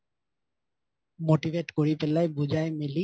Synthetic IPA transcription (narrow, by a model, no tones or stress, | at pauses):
moʈiʋʱeʈkoɾipelaebud͡ʑaemeli